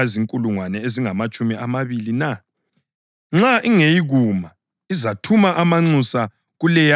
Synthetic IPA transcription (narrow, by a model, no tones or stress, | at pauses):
aziŋkʼuluŋwanɛeziŋamat͡ʃʼumiamaβilina | ŋ͡ǁaʔiŋejiɣuma | izatʰumaʔamaŋ͡ǀusa | ɣulɛj